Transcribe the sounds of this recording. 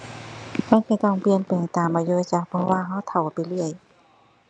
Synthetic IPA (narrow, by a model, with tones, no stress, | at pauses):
ma˧˥˨nkʰa˧˩jt̪ɔ˧˩ŋpi˧ənpeː˨˩ŋt̪aː˨˩mːaː˧juː˧t͡ɕa˧˩k̚pʰɔ˧waː˧˨ɦa˧˥˩wt̪ʰa˨˩wpa˨jlɯ˧˩əj